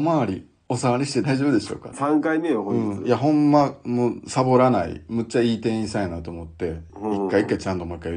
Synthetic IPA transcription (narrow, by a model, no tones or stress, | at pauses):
maːɾʲi | o̞saβaɾʲiɕi̥t̪ed̪aiʑo̞ːbɯ̟d̪e̞ɕo̞̰ːka̰sãŋkaimejoɦõɯɲ̟̃ijaɦõ̞mːamoːsabo̞ɾanaḭmɯ̟t͡ɕːaiːt̪ẽ̞ĩsajnat̪oːmo̞t̪ːe̞ikːaikːait͡ɕãnt̪o̞maikːai